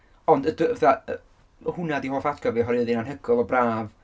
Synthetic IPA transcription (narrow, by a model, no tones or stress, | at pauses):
ɔndədvɛθaə | hʊnadiɦoːθadɡɔviɦɔɾiðinanhəɡɔlˠɔbraːv